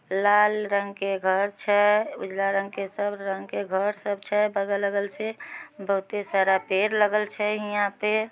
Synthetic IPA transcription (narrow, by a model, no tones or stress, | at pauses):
laːlɾə̃ŋɡkeɡʱəɾt͡ʃʰɛʊd͡ʒlaɾə̃ŋɡkesəbɾə̃ŋɡkeɡʱəɾsəbt͡ʃʰɛbəɡələɡəlsʰebəɦʊt̪esaːɾapeːɾləɡəlt͡ʃʰɛɦɪjãpe